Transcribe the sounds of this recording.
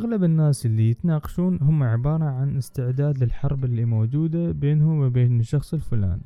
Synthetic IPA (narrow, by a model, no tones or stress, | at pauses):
ʔaɣlabɪnːaːsʔɪlːijɪt̪naːqɑ̥ʃuːnɦʊmːaʕɪbɑːɾˤɑʕanɪst̪ɪʕd̪aːd̪lɪlħɑɾˤbɪlːimoːd͡ʒuːd̪abeːnhʊmwɪbeːnʃɑxsˤɪlfʊla̰ːni